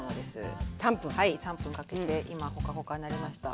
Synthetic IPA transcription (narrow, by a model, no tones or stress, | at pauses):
nod̪e̞sɨ̰sãmpɯ̃haisãmpɯ̟̃ŋkake̞t̪e̞ʔimaho̞kaɦo̞kanaɾʲimaɕi̥t̪a̰